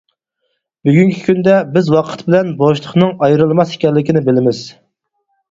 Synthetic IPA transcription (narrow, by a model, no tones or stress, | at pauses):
byɡʲyŋkʲʰi̥kʲynd̪ɛbɪzwɑqʰə̥t̪bɪlɛnboʃlˠəχnɨŋɑjɾɨlˠmɑsi̥kʲɛlːɪkʲinɪbɪlɪmɪz̥